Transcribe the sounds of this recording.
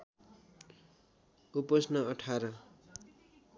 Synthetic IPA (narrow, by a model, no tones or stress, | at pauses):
upʌsnʌʌʈʰaɾʌ